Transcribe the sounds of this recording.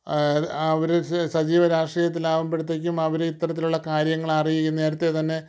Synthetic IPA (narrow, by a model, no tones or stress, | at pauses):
ɐʋɐɾsɐt͡ɕiːʋɐɾaːʂʈiːjɐt̪ːilaːʋɐmbeɽut̪ːek̬ʲːumɐʋɐɾeit̪ːɐrɐt̪ːiluɭːɐkaːɾjɐŋːɐɭɐrijikʲːunːe̞ːɾɐt̪ːet̪ɐnːe̞